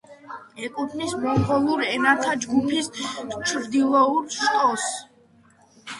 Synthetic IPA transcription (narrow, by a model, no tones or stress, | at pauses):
ɛkʼut̪ʰnismɔmqɔlˠuɾɛnat̪ʰad͡ʒɡupʰist͡ʃʰɾd̪ilˠɔuɾʃtʼɔs